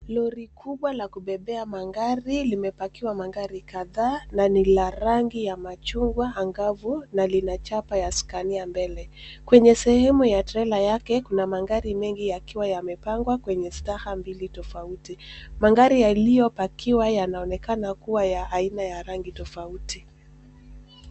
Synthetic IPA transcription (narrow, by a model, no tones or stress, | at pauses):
lɔɾikʰuɓwalakuɓɛɓɛamaŋɡaɾilimɛpakiwamaŋɡaɾikaðaːnanilaɾaŋɡijamat͡ʃuŋɡwaːŋɡavunalinat͡ʃapajasi̥kaniambɛlɛ | kwɛɲɛsɛhɛmujatɛlajakɛkunamaŋɡaɾimɛŋɡijakiwajamɛpaŋɡwakwɛɲɛsi̥lahambilitɔfautimaŋɡaɾijalijɔpakʰiwajanaɔnɛkanakuwajaʔːinajaɾaŋɡitɔfautʰi